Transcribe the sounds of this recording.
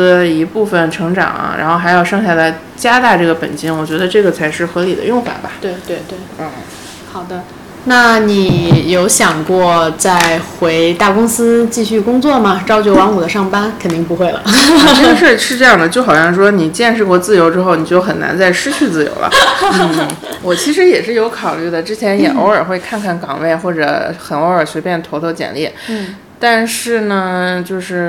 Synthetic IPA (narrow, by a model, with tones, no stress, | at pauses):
ə˧i˧˥pu˥˩fə˩nʈ͡ʂʰɤ˧˥ŋʈ͡ʂɑ̰˨˩˦ŋɐ̰˦ɻa̰˧˥nxo˥˩xa˧˥ɪjɑ˥˧ʊʂɤ˥˧ŋɕja˥˧la˧˩ɪ | t͡ɕja˥t̪a˥˧ʈ͡ʂɤ˥˩ɡə˩pə̰˨˩nt͡ɕi˥ŋwɔ˨˩t͡ɕɥɛ˧˥d̪ə˧ʈ͡ʂɤ˥˩ɡə˩t͡sʰa˧˥ɪʂɻ̩˥˩xɤ˧˥li˨˩d̪ə̰˦jʊ˥˧ŋfwa̰˨˩nbɐ˩t̪we˥˧ɪt̪we˥˧ɪt̪we˥˩ɪ˥˩ | xɑ˨˩ʊd̪ə˦ | na˥˩ni˨˩jo˧˥ʊɕjɑ˨˩ŋkwɔ˥˧t͡sa˥˩ɪxwe˧˥ɪt̪a˥˩kʊ˥ŋsɹ̩˥t͡ɕi˥˧ɕy˥˩kʊ˥ŋt͡swɔ˥˩mɐ˩ʈ͡ʂɑ˥ʊt͡ɕjo˧˩˥wɑ˧˥ŋu˨˩d̪ə˦ʂɑ˥˩ŋpa˥nkʰə˨˩nt̪i˥˩ŋp̬u˧˥xwe˥˩ɪlə̰˩˥˧ʂɻ̩˥˧ʂɻ̩˥˧ʈ͡ʂɤ˥˧jɑ˥˩d̪ə˩t͡ɕjo˥˩ʊxɑ˨˩ɕjɑ˥˧ŋʂwɔ˥ni˨˩t͡ɕjɛ˥˧nʂɻ̩˥˧kwɔ˥˧t͡sɹ̩˥˩jo˧˥ʊʈ͡ʂɻ̩˥xo˥˩ʊni˨˩t͡ɕjo˥˩ʊxə˨˩na̰˧˥nt͡sa˥˧ɪʂɻ̩˥t͡ɕʰy˥˧t͡sɹ̩˥˩jo̰˧˥ʊlə̰˧˦˥ | wɔ˨˩t͡ɕʰi˧˥ʂ̬ɻ̩˧˥jɛ˨˩ʂɻ̩˥˩jo˧˥ʊkʰɑ˨˩ʊly˥˩d̪ə˩ʈ͡ʂɻ̩˥t͡ɕʰjɛ˧˥njɛ̰˨˩ʔo˧˥ʊə˞˨˩xwe˥˧ɪkʰa˥˧nkʰa˥˩nkɑ̰˨˩ŋwe˥˩ɪxwɔ˥˩ʈ͡ʂɤ̰˧˥xə˧˩no˧˥ʊə˞˨˩ɕɥɛ˧˥pjɛ˥˩nt̪ʰo˧˥ʊt̪ʰo˥˩ʊt͡ɕjɛ̰˨˩nljɛ˥˩˥ | t̪a˥˧nʂɻ̩˥˩nə˩t͡ɕjo˥˧ʊʂɻ̩˥˩